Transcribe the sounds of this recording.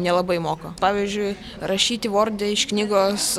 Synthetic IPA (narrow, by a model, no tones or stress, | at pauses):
nʲɛlˠɐbɐɪmoːkopɑːʋʲizʲd͡ʒʲʊɪ | ɾɐʃʲiːt̪ʲɪʋoːɾʲd̪ʲɛɪʃknʲiːɡoːs